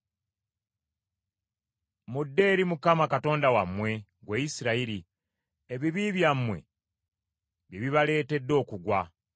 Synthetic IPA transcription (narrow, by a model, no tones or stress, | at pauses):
mudːe̞ːɾimukamakato̞ːndawamːwe̞ɡweːjisiɾaiɾi | eβiβiβjamwe̞̰ | βjeβiβale̞ːte̞dːo̞ːkuɡwa